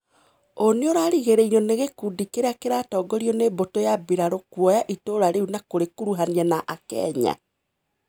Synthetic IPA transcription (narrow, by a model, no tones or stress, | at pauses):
oneoɾaːɾiɣeɾɛinoneɣekudikeɾeakeɾaːtɔːɡɔɾiɔnebotojabiɾaɾokwɔjaʔitoɾaɾeunakoɾekuɾuɦaniɛnaʔakɛ̰ɲa̰